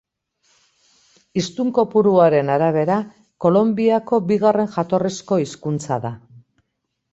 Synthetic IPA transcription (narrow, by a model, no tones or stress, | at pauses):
ist̪uŋko̞puɾuaɾe̞naɾaβ̞e̞ɾa | ko̞lo̞mbiako̞biɣare̞nʝat̪o̞risko̞iskunt͡sa̰ða